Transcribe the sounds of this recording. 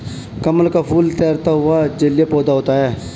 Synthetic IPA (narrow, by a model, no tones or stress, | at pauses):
kɐməlkapʰuːlt̪ɛːɾt̪aɦʊad͡ʒəlijapɔːd̪aɦoːt̪aɦɛː